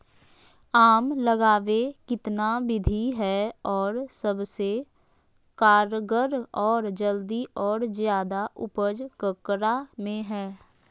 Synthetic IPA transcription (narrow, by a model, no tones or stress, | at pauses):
aːmləɡaːʋekɪt̪nabɪd̪ʱiɦɛɔːɾsəbse | kaːɾɡəɾɔːɾd͡ʒəld̪iɔːɾzjaːd̪aʔʊpəd͡ʒkəkɾamẽɦɛː